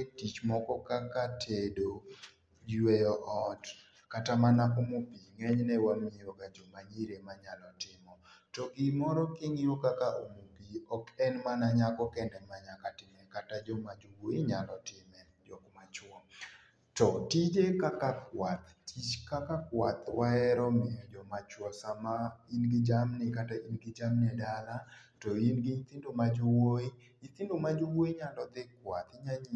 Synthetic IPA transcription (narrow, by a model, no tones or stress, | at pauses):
tit͡ʃmɔkɔkakatʰedo | wejɔʔɔt | katamanakɔmopiŋɛɲnɛwanoɲiɾokad͡ʒɔmaɲiɾemaɲalɔtɪmɔtɔɡɪmɔɾɔkɪŋiokakaʔomoɡiɔkɛnmanaɲakɔkɛndɛmaɲakatɪmɛkatad͡ʒɔmad͡ʒuwoɪɲalɔtɪmɛ | d͡ʒɔkmat͡ʃwɔ | tɔtid͡ʒekakakwat̪it͡ʃkakakwat̪waɛɾɔmɪɔd͡ʒɔmat͡ʃwɔsamainɡɪd͡ʒamnɪkatainɡɪd͡ʒamnɛdalatɔinɡɪɲit̪ɪndomad͡ʒowoi | ɲit̪ɪndomad͡ʒowoiɲalɔd̪ɪkwat̪ɪɲaɲi